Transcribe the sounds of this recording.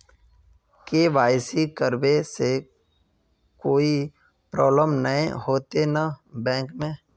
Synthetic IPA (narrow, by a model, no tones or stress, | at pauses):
keʋaːɪsikəɾbese | koːi | pɾɔːbləmnəḛ̃hoːt̪enabɛ̃ːkmẽ